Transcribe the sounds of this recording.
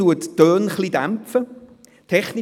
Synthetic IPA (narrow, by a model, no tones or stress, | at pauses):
uətd̥øːnχlidamfə | tʰɛχni